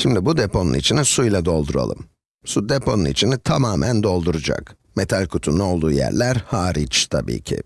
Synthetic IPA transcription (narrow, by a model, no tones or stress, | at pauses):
ʃimd̪ibud̪epʰo̞nṵnit͡ʃʰinisujlʲˠad̪o̞lˠd̪uɾa̰lˠɯ̰m | sud̪epʰo̞nunit͡ʃʰinit̪ʰamaːmʔænd̪o̞lˠd̪uɾud͡ʒa̰k | met̪ʰalʲkʰut̪ʰunao̞lˠd̪uːjæ̰ɾlʲæɾhaːɾit͡ʃt̪ʰabḭːcʰḭ